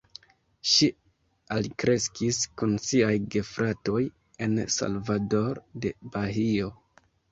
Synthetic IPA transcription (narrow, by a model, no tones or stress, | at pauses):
ʃi | alkɾe̞skiskunsiajɡe̞fɾʔato̞j | e̞nsa̰lvado̞ɾde̞baɦio̞